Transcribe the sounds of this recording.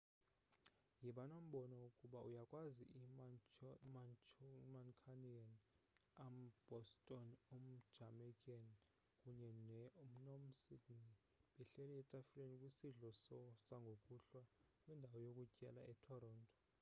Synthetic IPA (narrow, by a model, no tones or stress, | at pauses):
jiɓanom̩ɓɔnɔukʼuɓaujakʼwazḭʔi | m | mankʰanian | amb̥ɔstʼɔnom̩̥d͡ʒamɛkʼan | kʼuɲɛnɛum̩nɔmsidni | ɓɛɬɛlɛɛtʼafilenikʼwisiɮɔsɔsaŋɡʱokʼuɬwakʼwɛndʱawɔjokʼucʼɛlaɛtʰɔɾɔːntʼɔ̥